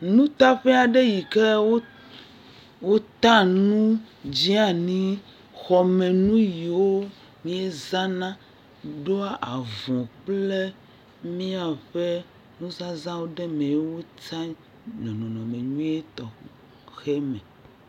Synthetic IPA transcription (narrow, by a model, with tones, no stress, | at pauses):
nũ˦t̪a˦ɸɛ˦a˨ɖe˦ji˨ke˦wo˦ | wo˦t̪ã˦nũ˦d͡ʑi˦a˦nĩ˦ | xɔ˨mẽ˨nũ˦ji˨wo˦ | mĩ˦e˦zã˦nã˦ | ɖo˦a˦ʔa˨vɔ̃˨k͡ple˦ | mĩ˦a˨ɸe˦ | nũ˦za˦zã˦wo˦ɖe˦mẽ˨e˦wo˦t͡sa˦ | ɲɔ̃˨nɔ̃˨nɔ̃˨mẽ˨ɲũ˦e˦t̪ɔ˨ | xe˦mɛ˨